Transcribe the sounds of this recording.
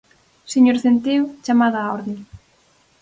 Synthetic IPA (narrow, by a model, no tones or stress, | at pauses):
seɲoɾθent̪ewt͡ʃamaðaːɔɾðeŋ